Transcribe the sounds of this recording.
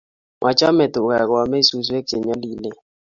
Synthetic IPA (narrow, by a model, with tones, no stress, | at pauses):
mʔa˨t͡ʃa˦mɛ˨tʊ˨a˨ka˨mɛ˦su˦s̬ɛ˦k̚t͡ʃe˨ɲa˦li˦le˦